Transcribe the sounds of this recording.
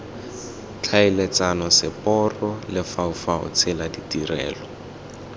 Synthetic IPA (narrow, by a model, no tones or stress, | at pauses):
t͡ɬʰaɪlet͡sanɔsɪpɔrɔlɪfaʊfaʊ̰t͡sʰɪladitirɛ̰ːlɔ